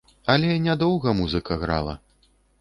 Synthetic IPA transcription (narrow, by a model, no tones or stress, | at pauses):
ɐlʲɛnʲad̪ɔwɣɐmuzɨkɐɣɾa̰lˠɐ̰